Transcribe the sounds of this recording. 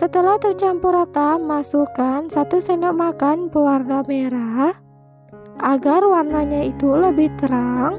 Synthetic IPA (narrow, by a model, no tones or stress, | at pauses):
sət̪əlaht̪ərt͡ʃampuɾat̪amasukansat̪usənɔʔmakanpəwarnameɾah | ʔaɡarwarnaɲait̪uləbɪht̪əɾaŋ